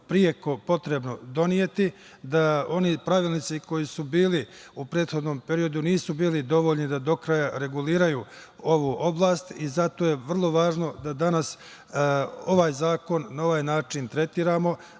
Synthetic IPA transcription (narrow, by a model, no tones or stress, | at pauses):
pɾije̞ko̞po̞t̪ɾe̞bno̞d̪o̞nije̞t̪i | d̪ao̞nipɾaʋiːlnit̪siko̞jisubiːli | upɾe̞ːd̪xo̞d̪no̞mpe̞ɾijo̞d̪uniːsubiːlid̪o̞ʋoʎlnid̪ad̪o̞kɾajaɾe̞ɡuliːɾajuː | o̞ʋuʔo̞blˠaːst̪izat̪o̞ːjeʋr̩lˠo̞ʋaːʒno̞d̪ad̪anas | o̞ʋaːjzaːko̞nːao̞ʋaːjnaːt͡ʃint̪ɾe̞t̪iːɾaːmo̞